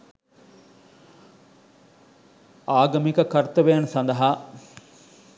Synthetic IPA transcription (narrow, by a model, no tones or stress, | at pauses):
aːɡɐmikɐkɐɾt̪ɐʋejansɐnd̪ɐɦa